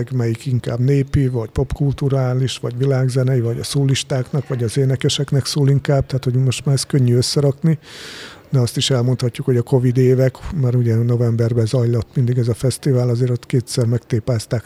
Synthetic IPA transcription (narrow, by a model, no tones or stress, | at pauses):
ɡmɛjikiŋkaːbneːpivɒcpo̞pkult̪uɾaːliʃʋɒɟʋilaːɡzɛnɛjivɒɟɒsuːlːiʃt̪aːknɒkʋɒɟɒzeːnɛkɛʃɛknɛksoːliŋkaːb̚t̪ɛɦaːt̪ho̞ɟmo̞ʃt̪maːɾɛst̪køɲːyøsːɛɾɒkni | d̪ɛɒst̪iʃɛlmot̪hɒcːukho̞ɟɒko̞vid̪eːvɛkmaːɾuɟɛno̞vɛmbɛrbɛzɒjlo̞t̪ːmind̪iɡɛzɒfɛst̪ivaːlɒzeːɾo̞t̪keːt̪sɛrmɛkt̪eːpaːst̪aːk